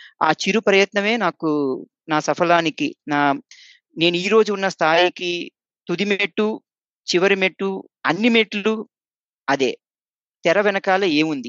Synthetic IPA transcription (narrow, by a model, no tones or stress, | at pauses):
a̰ːt͡ʃiɾupɾɐjɐt̪nɐme̞ːnaːku | naːsɐfʰɐlaːnikinaː | ne̞ːnuiːɾo̞ːd͡ʒuːnːɐst̪ʰaːjiki | t̪ud̪imeʈːu | t͡ʃiʋɐɾimeʈːu | ɐnːimeʈːlu | ɐd̪ḛː | t̪ɛɾɐʋɛnɐkaːlɐe̞ːmund̪i